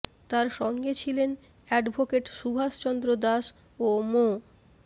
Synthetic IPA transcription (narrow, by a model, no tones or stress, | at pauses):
t̪aɾʃɔŋɡet͡ɕʰilen | ɛɖbʱokeʈʃubʱaʃt͡ɕɔnd̪ɾod̪aʃ | omo